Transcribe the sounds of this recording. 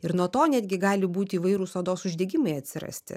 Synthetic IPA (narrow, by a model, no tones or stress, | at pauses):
ɪɾnuɔt̪oːnʲæːd̪ʲɡʲɪɡɑːlʲɪbuːt̪ʲɪiːʋɐɪɾuːsoːd̪oːsʊʒʲd̪ʲɛɡʲɪmɐɪɐt̪ʲsʲɪɾɐ̰sʲt̪ʲɪ̰